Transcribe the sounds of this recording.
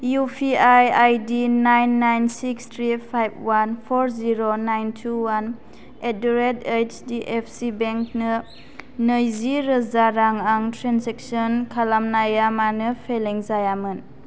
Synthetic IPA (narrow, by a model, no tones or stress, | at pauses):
jupʰiajajdinajnːajnsikstʰɾipʰajb̚wanpʰoɾziɾonajntʰuwan | eduɾedejt͡ʃdiʔepʰsibeŋknɯ | nəjziɾəzaɾaŋaŋtʰɾensek̚sɔnkʰalamnajamanɯpʰeleŋzajamɯn